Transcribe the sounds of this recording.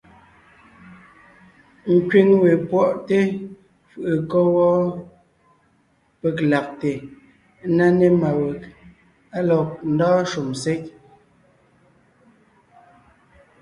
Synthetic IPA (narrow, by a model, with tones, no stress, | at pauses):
ŋ̩˨kɥi˦ŋwe˨pwɔ˦˨ʔte˦ | fɯ˨ʔɨ˨kɔ˦wɔ˦ | pe˨kla˨k̚te˨˦ | na˦ne˦ma˨we˨k | a˦lɔ˨k̚n̩˨dɔː˦ʃu˨mse˦k̚